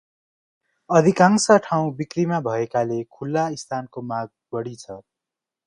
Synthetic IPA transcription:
ʌd̪ʱikaŋsʌʈʰaw̃bikrimabʱʌekalekʰulːaist̪ʰankomaɡ̚bʌɽit͡sʰʌ

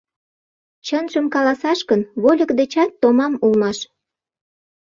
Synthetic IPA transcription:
t͡ɕənʒəmkɑlɑsɑʃkənβolʲə̆kd̪et͡ɕɑt̪ːomɑmulmɑʃ

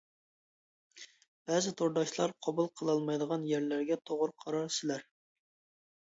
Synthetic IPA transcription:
b̥ɛzɪt̪ʰoɾd̪ɑʃlˠɑɾqʰɑbulˠqʰəlˠɑlˠmɑjd̪əʁɑnjæɾlæɾɡʲɛt̪ʰoʁɾqʰɑɾɑɾsɪlæɾ

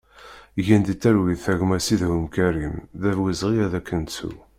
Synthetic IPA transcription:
ʝænd̪it̪ːæɾwiðθæʝmæsiðhəmkæɾimðævwizʁijæðækːənt͡sṵ

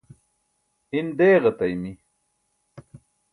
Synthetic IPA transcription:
ind̪eːʁɐt̪ɐjmi

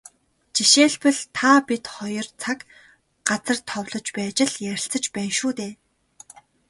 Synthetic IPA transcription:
t͡ɕiʃeːɮpə̆ɮt̪ʰapit̪χɔjɞ̆rt͡sʰak | ɢat͡sə̆rt̪ʰɔwɮɞ̆t͡ɕpæːt͡ɕɪ̆ɮjæɾʲɪ̆ɬt͡sə̆t͡ɕpæːnʃuːt̪eː

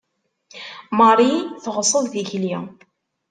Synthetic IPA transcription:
mɑɾˤiθʁəsˤːəððiçli

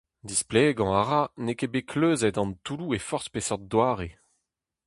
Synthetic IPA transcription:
d̪ispleɡɑ̃aʁanekebekʰløːzɛtɑ̃nt̪uluefɔʁspesɔd̪waːʁe

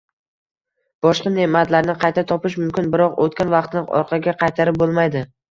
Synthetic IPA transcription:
b̥ɒʃqɑnemat̪laɾnɪqʰɑjt̪ʰat̪ʰɒpɪʃ̬mʊmkʲɪnbɪɾɒqot̪̚kʲanvɑqt̪nɪɒ̰ɾqʰɑɡʲaqʰɑjt̪ʰaɾɪp̚bolˠmajd̪ɪ

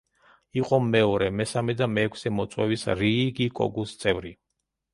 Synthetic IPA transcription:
iqʼɔmɛɔɾɛmɛsamɛd̪amɛːkʰsɛmɔt̪sʼwɛ̰visɾiɡikʼɔ̰ɡust̪sʼɛvɾi

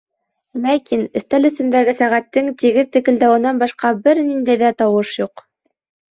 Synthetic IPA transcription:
lækinɘ̆θt̪ælɵ̆θɘ̆nd̪æɡɘsæʁæt̪ːɘŋt̪iɡɘðt̪ɘ̆kɘ̆ld̪æwɘ̆nɑnbɑʃqɑbɘɾnind̪æjðæt̪ɑwɤʃjuq

